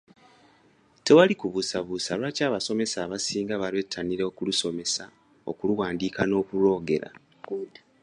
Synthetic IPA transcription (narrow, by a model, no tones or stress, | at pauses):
te̞walikuβusaβusalwacaːβaso̞me̞saːβasiːŋɡaβale̞tʰːaniɾeokuluso̞me̞sa | o̞̰kuluwaːndiːkano̞ːkuɾo̞ːɡe̞̰ɾa̰